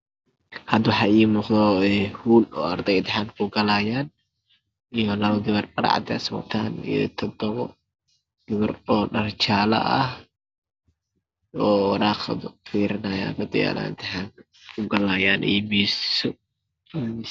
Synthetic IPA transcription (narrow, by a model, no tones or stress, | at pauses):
hɐd̪wħɑjmʊqd̪ɔɛhuːlɔːɐrd̪ɛjt̪ʰɪħankʰʊɡɐlaːjaːn | ijɔlɐβɐɡɪβɐrbɐɾ̰ʕ̰d̪ɛ̰sɔ̰t̪ʰaːnḭjɔ̰t̪ʰɔd̪ɔβɔ | ɡ̥ɪβɐrɔːɗɐrt͡ʃaːlɐ̰ʔɐ̰h | ɔːwɑɾaːqd̪fiːɾɪnaːja̰ːnhɐd̪ɔja̰la̰t̪ʰɪħaːn | kʰʊɡɐlaːjaːnʔɛ̰jbiːssɔ